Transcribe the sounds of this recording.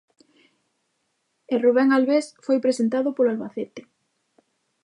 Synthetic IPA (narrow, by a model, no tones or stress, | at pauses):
eruβ̞ɛŋalβesfojpɾesent̪aðopoloalβaθet̪ɪ̥